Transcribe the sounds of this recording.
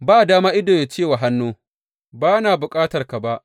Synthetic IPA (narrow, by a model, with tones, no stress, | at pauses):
baː˦˨daː˦maː˦ʔɪ˦doː˨ja˨t͡ʃeː˦˨wa˨ɦa˦nːoː˦ | baː˦naː˨bʊ˨kʼaː˦tɐ˨rka˨ba˦ʔ